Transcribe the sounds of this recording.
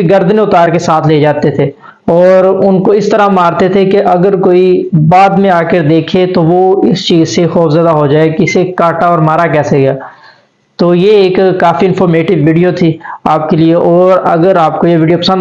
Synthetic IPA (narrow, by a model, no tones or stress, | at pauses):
ɡɐɾd̪nẽʊt̪aːɾkesaːt̪ʰleːd͡ʒaːt̪et̪ʰeː | ɔːɾʊnkoɪst̪əɾamaːɾt̪et̪ʰekeʔɐɡəɾkoːibaːd̪mẽaːkəɾd̪eːkʰet̪oʋoɪst͡ʃiːzsexɔːpʰzaːd̪aɦod͡ʒaːekɪsekaːʈaɔːɾmaːɾakɛːseɡaː | t̪oːjeeːkːaːfiɪ̃nfʰɔːɾmeːʈɪʋːiːɖijot̪ʰiaːp̚kelieʔɔːɾɐ̰ɡəɾaːp̚kojeʋiːɖijopɐsə̃n